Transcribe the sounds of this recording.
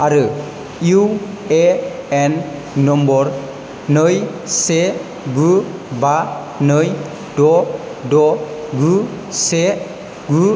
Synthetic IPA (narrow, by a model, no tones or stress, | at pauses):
aɾɯ | u | eɛnː | ɔmbɔɾ | nɯj | se | ɡuba | nɯj | dɔ | dɔ | ɡu | se | ɡu